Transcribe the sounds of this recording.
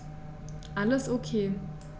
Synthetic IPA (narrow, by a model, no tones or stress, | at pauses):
ʔaləsokʰeː